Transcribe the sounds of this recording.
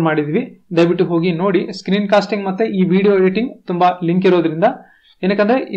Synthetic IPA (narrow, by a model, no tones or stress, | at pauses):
maːɽid̪iːʋid̪ɐjʋiʈːuɦo̞ːɡino̞ːɽiskɾiːnkaːsʈiŋɡmɐt̪ːeʔiːʋiːɽijoːɾeːʈiŋɡt̪umbɐliŋkiɾoːd̪ɐɾind̪ɐ | enɐkːɐnd̪ɐɾeʔi